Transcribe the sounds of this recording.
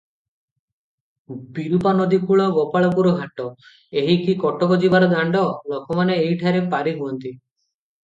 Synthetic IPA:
biɾupanɔd̪ikuɭɔɡɔpaɭɔkuɾɔɡʱaʈɔ | eɦikikɔʈɔkɔd͡ʒibaɾɔd̪aɳɖɔlɔkɔmaneːɦjʈʰaɾepaɾiɦuɔnt̪i

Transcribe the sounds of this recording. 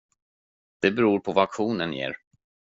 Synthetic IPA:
d̪̥ɛbɛɾuːɾpʰɔvakɧuːnənjḛːɾ

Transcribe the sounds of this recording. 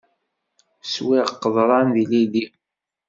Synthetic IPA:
swiʁqːəðˤɾˤɑnðilili

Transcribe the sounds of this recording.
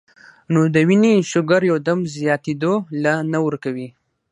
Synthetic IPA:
nod̪əwineʃʊɡaɾjawd̪amzjɑt̪ed̪olanawəɾkawi

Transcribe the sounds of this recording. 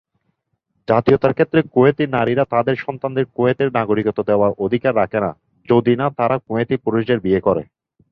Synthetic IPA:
d͡ʑat̪iot̪aɾkʰet̪ːɾekoet̪inaɾiɾat̪ad̪eɾʃɔnt̪and̪eɾkoet̪eɾnaɡoɾikot̪od̪eoaɾʔod̪ʱikaɾːakʰena̰ | d͡ʑod̪inat̪aɾakoet̪ipuɾoʃd͡ʑeɾbiekɔɾḛ

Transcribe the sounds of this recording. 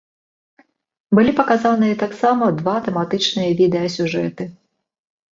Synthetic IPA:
bɨlʲipɐkazanɨjɐt̪aksamɐd̪vat̪ɛmat̪ɨt͡ʂnɨjɐvʲid̪ɛjɐsʲuʐɛt̪ɨ

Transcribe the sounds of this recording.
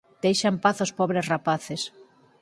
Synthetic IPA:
d̪̥ejʃampaθospɔβɾesrapaθes

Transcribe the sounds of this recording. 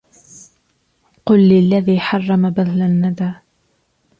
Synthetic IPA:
qʊlːɪlːaðiːħɑrˤːɑmabaðlanːad̪aː

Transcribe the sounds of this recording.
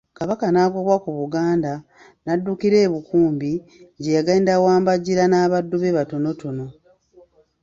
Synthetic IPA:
kaβakanaːko̞βwakuβuɡaːnda | nadːukiɾe̞ːβukuːmbiɲɟejaɡaːndawaːmbaɟiɾanaːβadːuβe̞βato̞no̞to̞no̞

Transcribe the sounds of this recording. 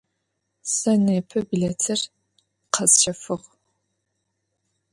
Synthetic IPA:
sɐneːpʰɐbɨɮɐtʰɨr | qʰɐzt͡ʃʰɐfɨʁ

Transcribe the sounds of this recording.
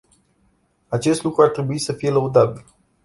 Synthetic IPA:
at͡ʃe̞st̪lukɾuart̪ɾe̞buisəfije̞ləud̪abil

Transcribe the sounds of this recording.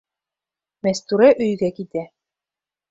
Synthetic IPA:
mɛst̪uɾɛʔɵjɡækit̪æ

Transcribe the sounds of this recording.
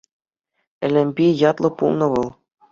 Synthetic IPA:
ɘ̆lʲɘ̆mʲbʲijɑt̪lˠɤ̆pṵlˠnɤ̆ʋɤ̆lˠ

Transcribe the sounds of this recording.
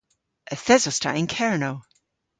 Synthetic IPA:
ʔəθɛzostʰa̰ʔɪ̃nkʰɛɹnoʊ

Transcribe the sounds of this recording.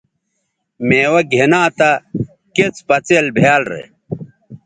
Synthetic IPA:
meːwɐɡʱenaːt̪ɐ | ket͡spɐt͡selbʱjaːlɾḛ

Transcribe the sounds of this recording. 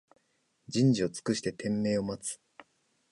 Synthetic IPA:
d͡ʑĩɲ̟d͡ʑio̞t͡sɨ̥kɯɕi̥t̪e̞t̪ʰẽ̞mːe̞ːo̞mat͡sɨ̥

